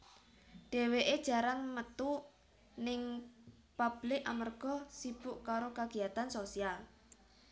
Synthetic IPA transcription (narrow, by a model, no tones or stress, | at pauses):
ɖ̥e̤weʔed̥ʒ̥a̤ɾaŋmət̪u | nɪŋ | pab̥lɪkamərɡ̥ɔ̤sib̥ʊʔkaɾokaɡ̥i̤at̪ansosial